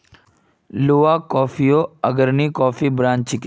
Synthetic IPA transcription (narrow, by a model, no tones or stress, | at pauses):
loːaːkɔːfijoːəɡəɾniːkɔːfiːbɾãːnt͡ʃɪk